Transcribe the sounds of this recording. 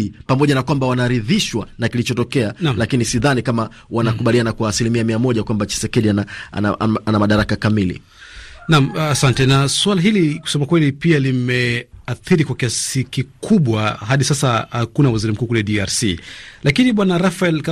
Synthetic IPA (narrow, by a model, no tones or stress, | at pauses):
pamɔʄanakwambawanaɾiðiʃwanakilit͡ʃɔtɔkɛanalakinisiðanikama | wanakuɓalianakwaːsilimiamiamɔʄakwambat͡ʃɛ̥sɛkɛɗianaa̰aʔa̰anamaɗaɾakakamilḭ | namːsantɛnaswalaɦiliku̥sɛmakwɛlipialimɛaθiɾikwakiasikikʰuɓwaɦaɗisasahakunawaziɾim̩kuːkulɛɗiaɾsḭlakiniɓwanaɾafaɛlka